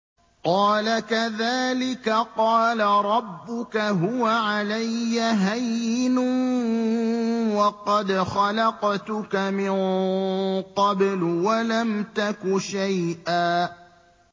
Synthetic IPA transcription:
qɑːlakaðaːlɪkaqɑːlaɾˤɑbːʊkaɦʊwaʕalajːaɦajɪnʊ | wɑqɑd̪xɑlɑqt̪ʊkamɪn | qɑblwalamt̪akʊʃajʔaː

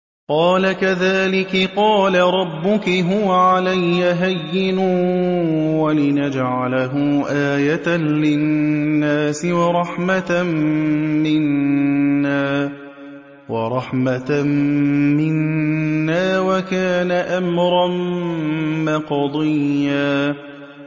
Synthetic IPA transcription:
qɑːlakaðaːlɪkɪqɑːlaɾˤɑbːʊkɪɦʊwaʕalajːaɦajːɪnʊ | walɪnad͡ʒʕalaɦʊʔaːjat̪anlɪː | aːsɪwɑɾˤɑħma | mɪnː | aː | wɑ̰ɾˤɑħma | mɪnː | aːwakaːnaʔamɾˤɑm | maqd̪ˤɪjːaː

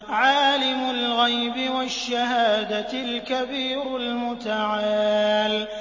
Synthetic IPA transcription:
ʕaːlɪmʊlɣajbɪwaʃːahaːd̪alkabiːɾʊlmʊt̪aʕaaːl

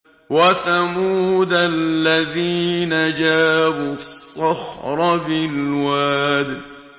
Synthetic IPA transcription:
waθamuːd̪allːaðiːnad͡ʒaːbusˤːɑxɾˤɑbɪlwaːd̪

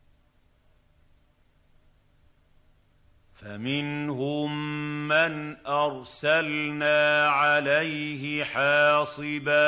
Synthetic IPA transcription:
famɪnɦʊmːanʔɑɾˤsalnaːʕalajɦɪħɑːsˤɨbaː

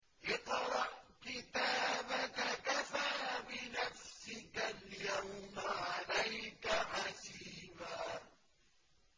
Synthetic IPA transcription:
ʔɪq̪ɾˤɑʔkɪt̪aːbakakafaːbɪnafsɪkaljawmaʕalajkaħasiːmaː

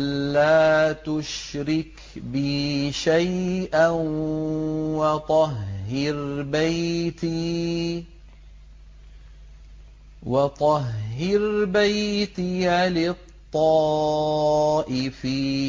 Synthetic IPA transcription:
lːaːt̪ʊʃɾɪk | bɪʃajʔan | wɑt̪ˤɑhɦːɪɾbajt̪i | wɑt̪ˤɑɦːɪɾbajt̪iʕalɪt̪ˤːɑː | ʔɪfi

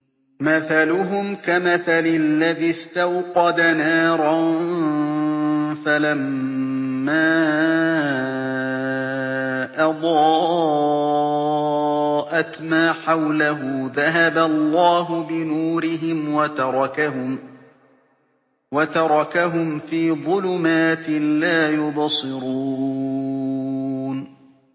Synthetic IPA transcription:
maθalʊɦʊmkamaθalɪlːaðɪst̪awqɑd̪anaːɾˤɑn | falamː | aː | ʔɑd̪ˤɑː | ʔat̪maːħawlaɦʊðaɦabalːɑːɦʊbɪnuːɾɪɦɪmwat̪ɑɾˤɑkaɦʊm | wat̪ɑɾˤɑkaɦʊmfiːðˤʊlʊmaːt̪ɪlaːjʊbɑsˤɨɾuː | n

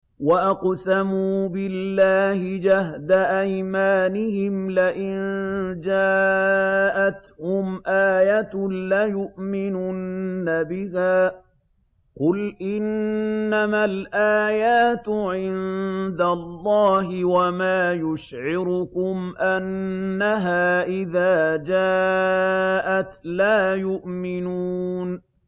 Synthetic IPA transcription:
waʔɑqsamuːbɪlːaːhɪd͡ʒahd̪aʔajmaːnɪhɪmlaʔɪnd͡ʒaː | ʔat̪hʊmʔaːjat̪lajʊʔmɪnuːnːabɪhaː | qʊlʔɪnːamalʔaːjaːt̪ʕɪnd̪alˤːɑːɦɪwamaːjʊʃʕɪɾʊkʊmʔanːaɦaːʔɪðaːd͡ʒaː | ʔat̪laːjʊʔmɪnuːn

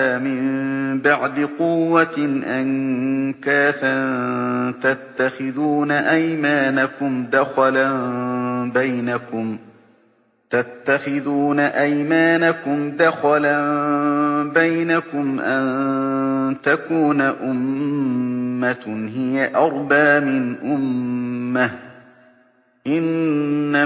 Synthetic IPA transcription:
amɪmbaʕd̪ɪqʊwːanʔankaːfa | t̪at̪ːaxɪðuːnaʔajmaːnakʊmd̪axla | bajnakʊm | t̪at̪ːaxɪðuːnaʔajmaːnakʊmd̪axala | bajnakʊmʔan | t̪akuːnaʔʊmː | ahɪjaʔɑɾˤbaʕmɪnʔʊmː | ah | ʔɪnːa

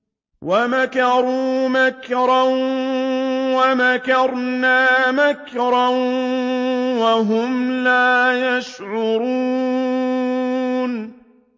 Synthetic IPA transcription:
wamakɑɾuːmakɾˤɑn | wamakɑɾˤnaːmakɾɑ | waɦʊmlaːjaʃʕʊɾuː | n

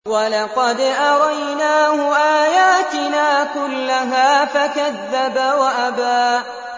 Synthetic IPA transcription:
walɑqɑd̪ʔɑɾˤɑjnaːhʊʔaːjaːt̪ɪnaːkʊlːaɦaːfakaðːabawaʔabaː

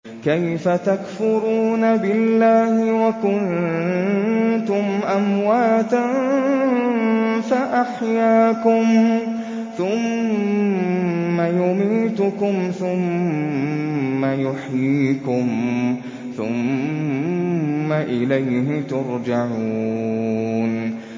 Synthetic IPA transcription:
kajfat̪akfʊɾuːnabɪlːaːhɪwakʊn | t̪ʊmʔamwaːt̪a | faʔaħjaːkʊm | θʊm | ajʊmiːt̪ʊkʊmθʊm | ajʊħjiːkʊm | θʊ̰m | aʔɪlajɦɪt̪ʊɾd͡ʒaʕu | n

